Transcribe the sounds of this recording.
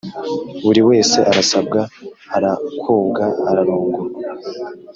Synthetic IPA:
βuɾiwe̞ːse̞ʔaɾasab̚ɡaaɾakʰuːbɡaːɾaɾuːŋɡuɾ

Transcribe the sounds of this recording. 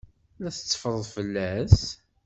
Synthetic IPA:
læθə̥t͡sːə̥fəɾˤəðˤfəlːæs

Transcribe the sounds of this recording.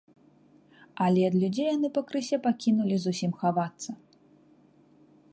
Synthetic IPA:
ɐlʲɛɐd̪lʲud͡zʲejan̪ɨpɐkɾɨsʲɛpakʲinulʲizusʲimxavat̪sːɐ

